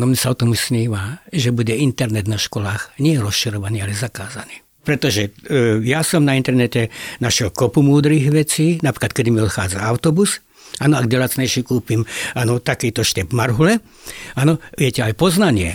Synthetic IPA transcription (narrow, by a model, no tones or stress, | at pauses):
nɔmɲɛsaɔt̪ɔmusɲiːʋaʒɛbuɟɛint̪ɛɾnɛd̪naʃkɔlaːxɲɪɛɾɔsʃiɾɔʋaniːalɛzakaːzaniː | pɾɛt̪ɔʒɛjasɔmnaint̪ɛɾnɛtɛnaʃɪɛlkɔpumuːd̪ɾiɣʋɛt͡siːnapɾi̥klat̪̚kɛd̪imiɔt̪xaːd͡zaaʊt̪ɔbus | aːnɔaɡdɛlaːt͡sɲɛjʃikuːpimaːnɔt̪akiːt̪ɔʃt̪ɛbmaɾɦulɛ | anɔʋɪɛcɛajpɔznaɲɪɛ